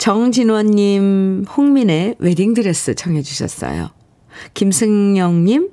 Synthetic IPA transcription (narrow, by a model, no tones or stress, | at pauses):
t͡ɕʌŋd͡ʑinwʌnːimɸuŋmine̞we̞ɾiŋdɯɾes͈ɯt͡ɕʰʌŋɦe̞d͡ʑuɕʰʌ̰s͈ʌ̰jo̰ | kimsʰɯŋɲʌŋɲim